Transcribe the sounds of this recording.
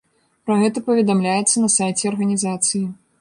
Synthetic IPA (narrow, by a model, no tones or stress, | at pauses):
pɾɐɣɛt̪ɐpɐvʲɛd̪amlʲajɛt̪sːɐnɐsajt͡sʲɛɐrɣɐnʲizat̪sɨji